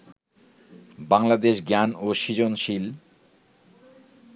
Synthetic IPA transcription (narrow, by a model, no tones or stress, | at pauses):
baŋlad̪eʃɡanoʃid͡ʑonʃil